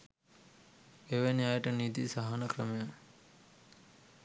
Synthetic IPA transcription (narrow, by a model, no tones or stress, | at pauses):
eʋeniajəʈənid̪ḭsaɦanəkɾəmeja